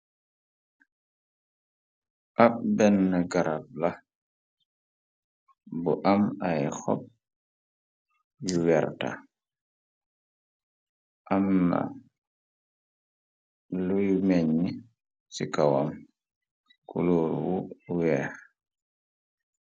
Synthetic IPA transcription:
ʔabɛnːaɡaɾab̚la | buʔamajxɔ̰p̚ | juwɛɾta̰ | ʔamnːa̰ | lujumɛɲːi | sikawam | kṵloːɾwuwɛːx

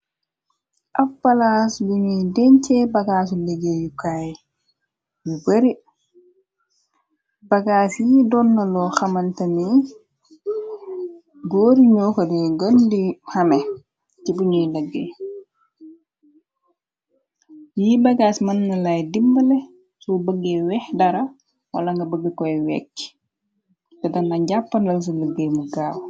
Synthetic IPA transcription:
ʔafpalasbuɲidɛɲt͡ʃɛbaɡaːs̬uleɡejukaj | jubeɾi | baɡasjidɔnːalɔxamantami | ɡoːɾiɲoːkodɛɡondihɐmɛ | cibuɲujləɡːḛ | jibɐɡaːsmɐnːɐlɐjdimbəlɛ | subəɡːeːwɛhdɐɾɐ | wɐ̰lɐŋɡɐbəɡːəkɔjwɛkː | tɛdɐnɐɟapːɐndɐls̬uləɡːemuɡaːw

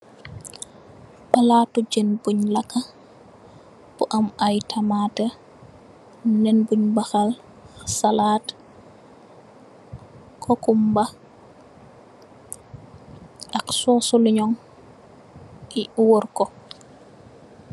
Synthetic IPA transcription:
palatud͡ʒenbuɲlaka | b̥uʔamajtʰamatɛ | nɛnbuɲbaxal | salat | kʰokumba | ʔaksɔsuliɲɔŋ | iwɔɾkɔ

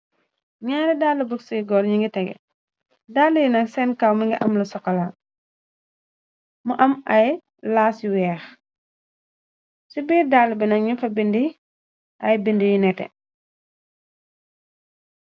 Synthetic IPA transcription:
ɲaːɾɛdaːlːɐbəksiɡɔːɾɲiŋɡitɛɡɛ̰ | daːlːəjinɐksɛnkawmiŋɡiʔɐmlɐsɔkːɐla | muʔɐmɐj | laːsiwɛːx | sibiːdaːlbɛnɐkɲifɐbindi | ʔɐjbindijinɛtɛ̰

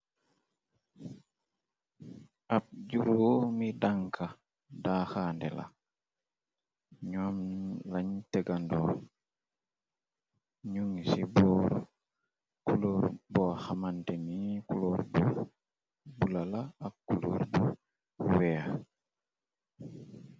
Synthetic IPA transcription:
ap̚ɟuɾuwomidaŋkʰa | daxaːndɛla̰ | ɲɔmlaɲtɛɡandɔ | ɲuŋisibɔːɾo̰ | kuloɾboxamantenikuloɾbo | bulalaːkːulo̰ɾbu | wea

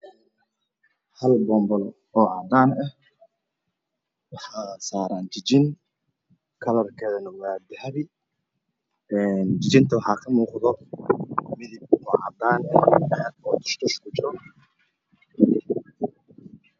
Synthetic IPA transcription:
hɐlbɔːmbɔl | ɔːʕɑd̪aːnɛh | wɑħɑːsaːɾaːnt͡ʃɪt͡ʃɪn | kʰɐlɐrkʰɛːðɐnʊmaːd̪ɐhɐβɪ | ɛːnd͡ʒɪt͡ʃɪnt̪ʰɐwɑħɑːkʰɐmuːqðɔ | mɪðɪbɔːʕɑ̰d̪aːnɛɑħɐd̪̚ɔːt̪ʰʊ̥ʃt̪ʰʊʃkʊt͡ʃɪɾɔ

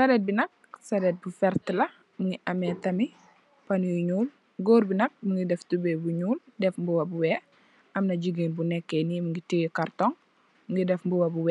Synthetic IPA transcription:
sɐɾɛt̚binɐk̚sɐɾɛt̚bufɛɾtəlɐ | muŋɡiʔɐmɛtɐmi | pɐnujuɲuːl | ɡoːɾbinɐk̚muŋɡidɛftubɛbuɲuːldɛfmbuwɐbuwɛː | ʔɐmnɐɟuɡeːnbunɛkːɛnimuŋɡitiwikartɔŋ | muŋɡidɛfmbuwɐbuwɛː

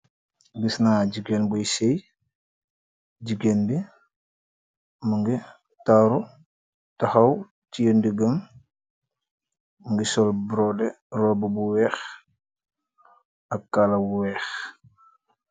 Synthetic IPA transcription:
bisnaːɟiɡenbujsej | ɟiɡenbi | muŋɡi | taɾu | tɐxɐw | tijəndiɡəm | məŋɡisɔlbɾɔdɛ | rɔbəbuwɛːx | ɐkːalɐwuwɛːx

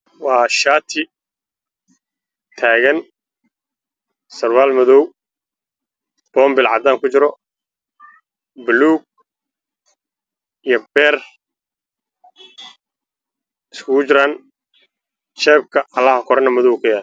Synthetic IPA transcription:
wɑːʃaːt̪ʰɪ | t̪ʰaːɣɐn | sɐrwaːlmɐðɔw | b̥ɔːmbɪlʕɑ̰d̪aːŋkʰʊt͡ʃɪɾɔ | bluːɡ̚ | ijɔb̥ɛːr | ɪskʰʊɣʊt͡ʃɪɾaːn | t͡ʃɛːb̚kʰɐʔɐlːɐhɐkʰɔɾɐnɐmɔðɔwkʰɐjaːl

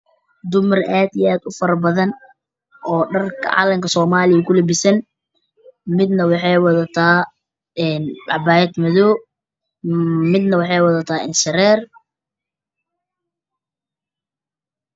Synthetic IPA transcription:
d̪ʊmɐrʔaːd̪ijaːd̪ʊfɐɾɐbɐðɐn | ʔɔːɖɐrkʰɐ̰ʕɑ̰ːlɐŋkʰɐsɔːmaːlɪjɐkʰʊlɪbɪsɐn | mɪd̪nɐwɑħɑjwɐðɐt̪ʰaː | ɛnɖɑbaːjɛd̪mɐðɔː | mɪd̪nɐwɑħɑjwɑðɐt̪ʰaːɪnʃɐɾɛːr

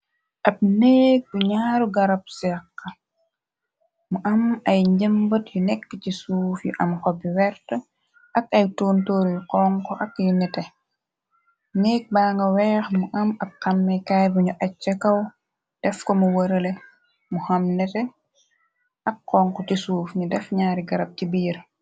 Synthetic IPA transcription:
ʔɐp̚nek̚buɲaːɾuɡɐɾap̚sɛqːa | muʔɐmɐjɲɟəmbɐtjunɛkːcisuːfjṵʔɐmkɔbiwɛɾtə | ʔɐkɐjtoːntoːɾjuqɔŋkɔʔɐkjunɛtɛ | nɛk̚baːŋɡɐwɛːxmuʔɐmɐkqːɐmːɛkajbuɲuʔɐt͡ʃːɐkɐw | d̥ɛfkomuwɐɾɐle | muhɐmnɛtɛ | ʔɐkːɔŋkɔcisuːfɲudɛfɲaːɾiɡɐɾɐb̚cibiːɾ

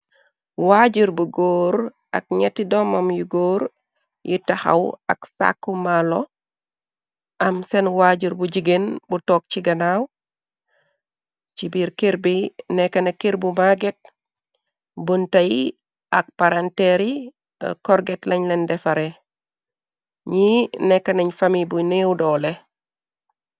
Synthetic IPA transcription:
waɟuɾbuɡoːɾ | a̰k̚ɲetːidɔmamjuɡoːɾ | jitaha̰wa̰ksa̰kːumalo | ʔɐmsɛnwaɟuɾbuɟiɡenbutɔːk̚t͡ʃiɡɐnaw | t͡ʃibiːɾkeɾbinɛkːɐnekiɾbumaɡet̚ | buntɐj | ak̚paɾanteɾḭ | kɔɾɡetlɐɲlendɛfaɾe | ɲinɛkːɐnɐɲfamibunewdɔle

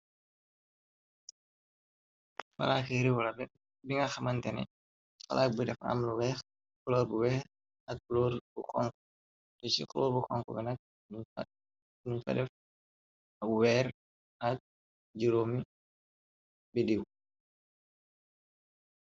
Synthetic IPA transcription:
fɐ̰laːkeɾiwlɐbɛ | biŋɐxɐmɐntɛnɛ̰ | ka̰lʔak̚budɛfa̰mluwɛːx | klɔːbuwɛː | ɐk̚ːlɔːɾbuxɔ̰ŋkɔ | tɔt͡ʃḭklɔːɾbuxɔ̰ŋkɔ̰ɡɐnɐk̚ | miɲfɐ̰dɛf | ɐwɛːɾ | ɐk̚ | d͡ʒiɾoːmi | bidiw

